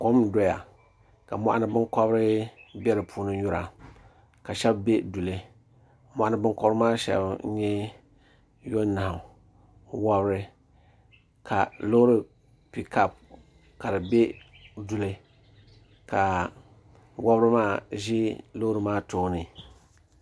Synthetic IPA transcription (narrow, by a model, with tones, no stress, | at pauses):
ko˦mdɔ˨ja̰˨ | ka̰˨mɔ̰˦ʔa˦nɨ˦bɨ˦kɔ˦bɾɨ˦bɛ˦ɾɨ˨pʰuː˦nɨ˦ɲu˦ɾa̰˨ | ka˨ʃɛ˦bbe˦du˨le˦ | mɔ˦˨ʔa˦nɨ˦bɨ˦ŋkɔ˦bɾɨ˦maː˦ʃɛ̰˦˨bɲɛ˦ | jo˦nːa˨hʊ˨ | wa˦bɾɨ˦ | kʰa̰˨lo˦ɾɨ˦ | pi˨ka˦p̚ | ka˨ɾɨ˨be˦ | du˨le˦ | ka˨ | wa˦bɾɨ˦maː˦˨ʒi˦lo˦ɾɨ˨maː˦toː˦nɨ˨